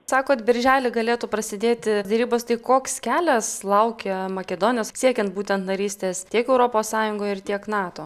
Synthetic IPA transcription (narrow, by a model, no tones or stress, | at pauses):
sɑːkoːt̪bʲɪɾʲʒʲæːlʲɪɡɐlʲeːt̪upɾɐsʲɪd̪ʲeːt̪ʲɪd̪ʲɛɾʲiːboːst̪ɐɪkoːkskʲæːlʲɛslˠɐʊkʲɛmɐkʲɛd̪oːnʲoːssʲiɛkʲɛnt̪buːt̪ʲɛnt̪nɐɾʲiːsʲt̪ʲeːst̪ʲiɛkɛʊɾoːpoːssɑːjʊŋɡoːjɪrt̪ʲiɛknɑːt̪oː